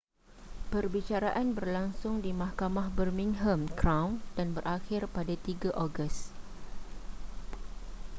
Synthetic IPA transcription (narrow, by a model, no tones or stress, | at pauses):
pərbit͡ʃaɾaʔanbərlaŋsʊŋdimahkamahbərmĩŋɦəmkɾawnd̥anbərʔaxɪrpadat̪iɡaʔoɡəs